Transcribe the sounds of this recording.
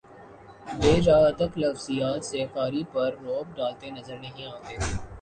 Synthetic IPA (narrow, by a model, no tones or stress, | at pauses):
beːɾaːt̪əklɐfzijaːt̪sefaːɾipɐɾːɔːb̚ɖaːlt̪enɐzəɾnɐɦĩaːt̪eː